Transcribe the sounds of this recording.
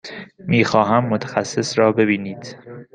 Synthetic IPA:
miːxɒːɦæmːot̪ʰæ̥xæsːesɾɒːbe̞biːniːd̪̥

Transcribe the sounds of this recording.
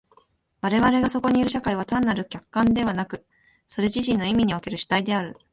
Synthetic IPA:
βaɾe̞βaɾe̞ɡaso̞ko̞ɲ̟iiɾɯ̟ɕ̬akaiβ̞at̪ãnːaɾɯ̟kʲakːãnd̪e̞β̞anakɯ̟ | so̞ɾe̞ʑiɕĩnːo̞imʲiɲ̟io̞ke̞ɾɯ̟ɕɨ̥t̪aid̪e̞aɾɯ̟

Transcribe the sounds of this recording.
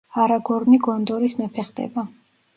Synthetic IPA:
aɾaɡɔɾniɡɔnd̪ɔɾismɛpʰɛχd̪ɛ̰ba

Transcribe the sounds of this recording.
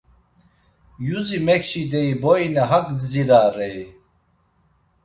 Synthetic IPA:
juzimɛkʃid̪ɛibɔinɛɦakɡziɾaːɾɛj

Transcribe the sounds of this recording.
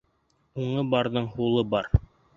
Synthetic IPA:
uɴɤbɑɾðɤɴhulˠɤbɑɾ

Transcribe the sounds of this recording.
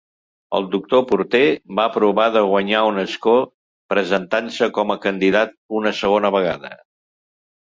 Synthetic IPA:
ə̰lˠd̪uk̚t̪opuɾt̪ebapɾuβaðəɣwəɲaunəsko | pɾəzənt̪ansəkɔməkənd̪iðat̪̚unəsəɣonəβəɣ̞aðə̰

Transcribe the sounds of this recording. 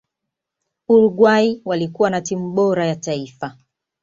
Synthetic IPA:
uɾuɡwaiwalikuwanatimuɓɔɾajataifa

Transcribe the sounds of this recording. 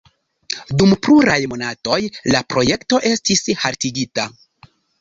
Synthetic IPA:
dumpluɾajmo̞nato̞jlapɾo̞je̞kto̞ʔe̞stishaɾtiɡita

